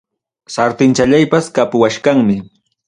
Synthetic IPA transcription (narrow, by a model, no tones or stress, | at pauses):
saɾt̪ɪnt͡ʃaʎajpaskapʊwaʃkaŋmɪ